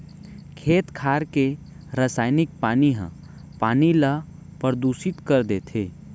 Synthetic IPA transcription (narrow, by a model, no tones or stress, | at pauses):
kʰeːt̪kʰaːɾke | ɾəsaːɪnɪk̚paːniɦã̰ | paːnilə | pəɾd̪uːʃɪt̪kəɾd̪eːt̪ʰeː